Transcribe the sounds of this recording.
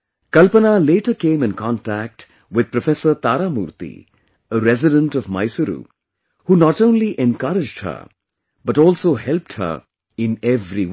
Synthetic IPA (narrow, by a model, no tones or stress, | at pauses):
kʌlpənaleːʈəɾkẽːmɪ̃nkɔ̃nʈæk̚ʈ | wɪd̪̚pɾɔfɛsəɾt̪aːɾamṵːɾt̪ḭ | əɾɛzɪɖə̃nʈɔʋma̰ɪsəɾṵː | hunɔʈõːnliʔɛ̃nkʌɾɪd͡ʒɖhə̰ | bʌʈɔːlsoːhɛlp̚ʈhə̰ɾ | ɪ̃nɛvɾi